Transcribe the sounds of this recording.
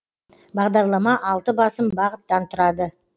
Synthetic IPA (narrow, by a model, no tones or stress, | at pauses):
bɑʁd̪ɑɾlˠɑmɑʔɑlˠt̪əbɑsəmbɑʁət̪ːɑnt̪ʰʊɾɑd̪ə